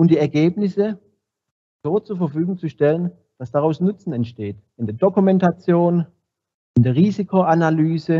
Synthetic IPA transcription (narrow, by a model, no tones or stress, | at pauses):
ʊmd̥iːɛɐɡeːpnɪsə | z̥oːt͡suːɐfɛɐfyːɡʊŋt͡suʃtɛlən | d̥asd̥aʁaʊsnʊt͡sn̩ɛntʃteːt | ɪndeːɐd̥okumɛntat͡sjoːn | ɪndeːɐʁiːzikʰoʔanalyːzə